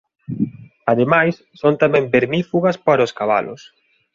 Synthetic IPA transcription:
aðemajsːont̪amɛ̃mbeɾmifuɣɐspaɾoskaβa̰lʊ̰s

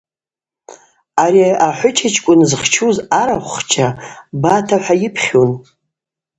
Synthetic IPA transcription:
aɾiaaħʷʊt͡ʃʰat͡ʃʰkʷʼʊnzχt͡ʃʰuzaɾaχʷχt͡ʃʰabatʰaħʷajɪpʰχʲon

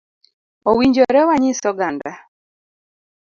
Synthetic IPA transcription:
owiɲd͡ʒɔɾɛwaɲisɔɡanda

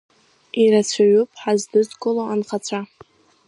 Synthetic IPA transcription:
iɾat͡ɕʷʰaɥupʼħazdɨzkʼʊlaanχat͡ɕʷʰa

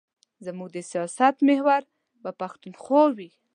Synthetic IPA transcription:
zamuɡ̚d̪əsijɑsat̪mehwaɾ | bəpaxt̪unxowi

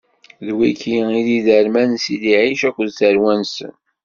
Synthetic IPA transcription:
ðwikiiðiðəɾmænsiliʕiʃækʷːðθəɾwænsə̰n

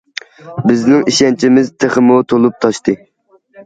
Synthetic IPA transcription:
bɪznɪŋiʃɛnt͡ʃʰɪmɪzt̪ʰeχɨmut̪ʰolˠup̚t̪ʰɑʃt̪ɨ

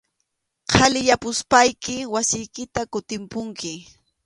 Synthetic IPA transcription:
qʰalɪjapʊspajkɪwasɪjkɪt̪akʊt̪ɪmpʊŋkɪ

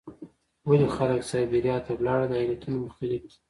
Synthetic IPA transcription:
wəloxaləksɑjbiɾjɑt̪awlɑɽad̪əɑjlat̪unomʊxt̪alɪfki̥

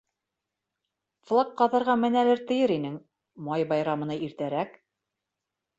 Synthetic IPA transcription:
flˠɑkqɑðɑ̆ɾʁɑmɘ̆nælɘɾt̪ɘ̆jɘɾinɘŋ | mɑjbɑjɾɑmɤ̆nɑiɾt̪æɾæk

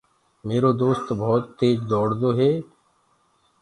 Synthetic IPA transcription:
meːɾoːd̪oːst̪bɔːt̪ːeːd͡ʒd̪ɔːɽd̪oːɦeː

